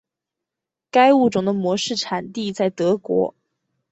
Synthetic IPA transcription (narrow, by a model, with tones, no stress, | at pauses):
ka˥ɪu˥˩ʈ͡ʂʊ˨˩ŋd̪ə˦mwɔ˧˥ʂɻ̩˥˩ʈ͡ʂʰa˨˩nt̪i˥˧t͡sa˥˩ɪt̪ɤ˧˥kwɔ̰˧˥